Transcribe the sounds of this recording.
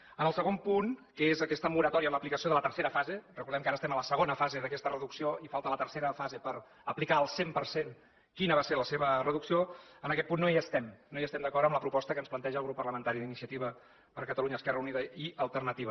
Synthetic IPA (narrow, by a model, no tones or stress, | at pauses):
ənəlˠsəɣ̞ompunkəezəkɛst̪əmuɾət̪ɔɾiəmləplikəsioðələt̪əɾseɾəfazerəkuɾðɛmkaɾəst̪ɛmələsəɣonəfazeðəkɛst̪ərəðuksioifalˠt̪ələt̪əɾseɾəfazepəɾ | əplikaəlˠsempəɾsen | kinəβaseɾləseβərəðuksioənəkɛt̪̚punːoiəst̪ɛmnoiəst̪ɛmd̪əkɔɾəmləpɾupɔst̪əkənsplənt̪ɛʒəlˠɣɾupːərləmənt̪aɾiðinisiət̪iβə | pəɾkət̪əluɲəːskɛrəuniðəiəlˠt̪ərnət̪iβə